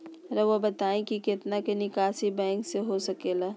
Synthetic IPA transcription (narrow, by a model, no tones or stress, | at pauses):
ɾɐʋobɐt̪aːẽkikɪt̪nakenɪkaːʃibɛ̃ːŋkseɦosɐkeːlaː